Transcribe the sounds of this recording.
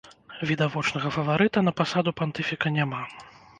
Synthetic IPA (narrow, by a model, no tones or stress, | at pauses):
vʲid̪avɔt͡ʂnɐɣɐfɐvaɾɨt̪ɐnɐpasad̪upant̪ɨfʲikɐnʲama